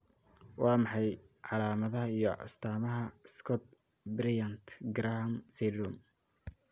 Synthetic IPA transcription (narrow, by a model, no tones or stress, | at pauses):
wɑːmɑħɑj | ʕɑlaːmɐðɐɦɐijɔʔɐ̰st̪ʰaːmɐɦɐskʰɔt̪̚ | bɾɪjant̪ɡɾamsɛdɾum